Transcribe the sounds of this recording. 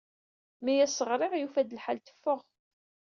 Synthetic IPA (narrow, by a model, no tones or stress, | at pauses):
mijæsəʁɾˤɪʁjufæd̪əlħalt̪ə̥fːəʁ